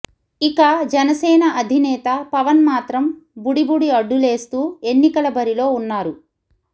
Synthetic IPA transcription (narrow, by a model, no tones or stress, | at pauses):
ikad͡ʒɛnɐsɛːnɐʔɐd̪ʱinɛːt̪ɐpɐʋɐnmaːt̪ɾɐmbuɽibuɽiɐɖːule̞ːst̪uːe̞nːikɐlɐbɐɾilo̞ːunːaːɾu